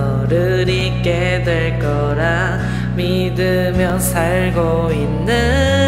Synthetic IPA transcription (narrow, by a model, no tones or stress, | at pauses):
ʌ | ɾɯ | ɾi | k͈e | dweɭk͈ʌɾa | mi | dɯ | mjʌnsʰaɭɡo | inːɯ